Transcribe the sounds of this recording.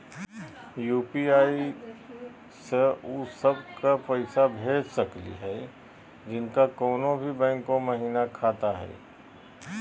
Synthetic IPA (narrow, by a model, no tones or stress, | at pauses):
juːpiaːi | seʊsəbkapɛɪsabʱeːd͡ʒsɐklḭɦɛː | d͡ʒɪnkakɔːnõbʱibɛ̃ːŋkõmɐɦiːnakʰaːt̪aɦɛ̰ː